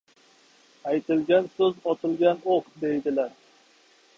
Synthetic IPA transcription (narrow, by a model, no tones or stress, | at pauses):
ajt̪ʰɪlɡʲansɵzɒt̪ʰɨlˠɡʲanoqd̪e̞jd̪ɪlaɾ